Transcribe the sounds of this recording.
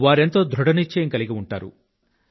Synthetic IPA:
ʋaːɾent̪o̞ːd̪ʱɾuɽɐnit͡ʃːeːŋkɐliɡiuɳʈaːɾṵ

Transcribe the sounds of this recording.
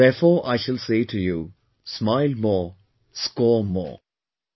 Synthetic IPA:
ɛɾfɔːʔa̰ɪʃəlseːʈʰujuː | smaɪlmɔː | skɔːmɔ̰ː

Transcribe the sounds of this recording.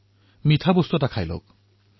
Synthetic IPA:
mit̪ʰabost̪otakʰajlo̰k

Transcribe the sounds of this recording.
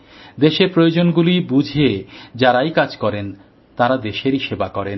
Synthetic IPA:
d̪eʃeɾpɾojod͡ʑonɡulibud͡ʑʱed͡ʑaɾajkad͡ʑkɔɾen | t̪aɾad̪eʃeɾiʃebakɔɾen

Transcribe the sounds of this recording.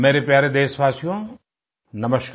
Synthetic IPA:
meːɾepjaːɾed̪eːsʋaːsijõ | nɐməʃk

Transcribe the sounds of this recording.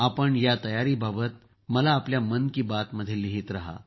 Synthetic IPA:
apəɳjat̪əjaɾiːbabət̪̚ | məlaːpljamənkiːbat̪məd̪ʱjeliɦit̪ɾaɦa̰

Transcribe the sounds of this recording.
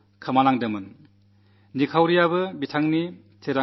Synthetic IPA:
kʰɐmalaŋdɯmɯn | nikʰawɾijabɯbitʰaŋni | tʰeɾa

